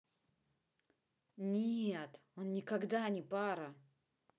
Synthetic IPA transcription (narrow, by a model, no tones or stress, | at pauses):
nʲeet̪onnʲɪkɐɡd̪anʲɪpaɾə